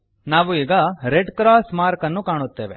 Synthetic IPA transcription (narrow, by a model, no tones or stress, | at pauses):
naːʋuiːɡɐɾeɖkɾaːsmaːɾkɐnːukaːɳut̪ːeːʋe̞